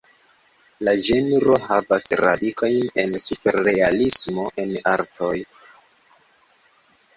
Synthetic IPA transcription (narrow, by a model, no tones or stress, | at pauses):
lad͡ʒe̞nɾo̞havasɾa̰dikʰo̞jne̞nsupe̞ɾːealismo̞ʔe̞na̰ɾtʰo̞j